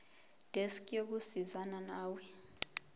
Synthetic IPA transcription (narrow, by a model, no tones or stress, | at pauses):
d̥ʱeskʼok̬usizananaːwi